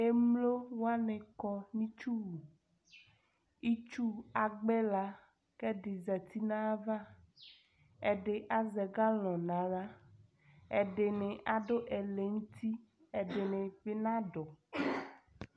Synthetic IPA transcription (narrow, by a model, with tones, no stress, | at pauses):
e˦mlo˦wo˦a˦nẽ˨kɔ˨nĩ˦t͡ʃu˦wu˨ | i˦t͡ʃu˦a˨ɡ͡bɛ˦la˦ | kɛ˦ɖe˨zɛ˨t̪i˦nã˦va˦ | e˨ɖe˨ʔa˦zɛ˨ɡa˦l̃ɔ̃˨nã˨˦la˦ | e˨ɖe˨nẽ˨ʔa˨ɖo˦ʔe˨le˨ŋu˦t̪i˦ | e˨ɖe˨nẽ˨be˦nã˦ɖɔ˨